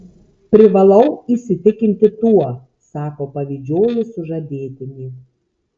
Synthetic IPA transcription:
pʲɾʲɪʋɐlˠɐʊiˑsʲɪt̪ʲɪkʲɪnʲt̪ʲɪt̪uɔ | sɑːkoːpɐʋʲɪd͡ʒʲoːjʊsʊʒɐd̪ʲeːt̪ʲɪnʲiː

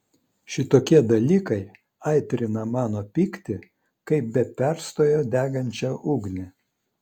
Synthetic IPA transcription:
ʃʲɪt̪oːkʲiɛd̪ɐlʲiːkɐɪ | ɑˑɪt̪ʲɾʲɪnɐmɑːnoːpʲiːkt̪ʲɪ | kɐɪp̚bʲɛpʲæɾst̪oːjoːd̪ʲæːɡɐnʲt͡ʃʲɛʔuːɡnʲɪ

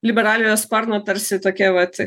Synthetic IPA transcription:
lʲɪbʲɛɾɑːlʲɪjoːspɐɾnoːt̪ɐɾʲsʲɪt̪oːkʲɛʋɐt̪ʲ

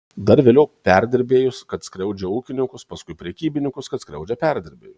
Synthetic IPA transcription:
d̪ɐɾʋʲeːlʲɛʊpʲæɾʲd̪ʲɪɾʲbʲeːjʊskɐt̪skɾʲɛʊd͡ʒʲɛuːkʲɪnʲɪŋkʊspɐskʊɪpʲɾʲɛkʲiːbʲɪnʲɪŋkʊskɐt̪skɾʲɛ̰ʊd͡ʒʲɛpʲæɾʲd̪ʲɪɾʲbʲḛːjʊ

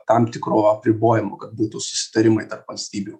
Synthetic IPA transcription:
t̪ɑmt̪ʲɪkɾoːɐpʲɾʲɪboːjɪmoːkɐt̪̚buːt̪ʊsʊ̥sʲɪ̥t̪ɐɾʲɪmɐɪt̪ɐrpʋɐlʲsʲt̪ʲiːbʲuː

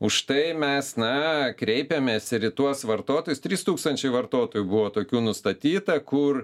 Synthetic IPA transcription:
ʊʃt̪ɐɪmʲɛsnɐkɾʲɛɪpʲemʲeːsɪɾɪt̪uɔsʋɐrt̪oːt̪oːjʊst̪ʲɾʲiːst̪uːkst̪ɐnʲt͡ʃʲɛɪʋɐrt̪oːt̪oːjubʊʋoːt̪oːkʲuːnʊst̪ɐt̪ʲiːt̪ɐkʊr

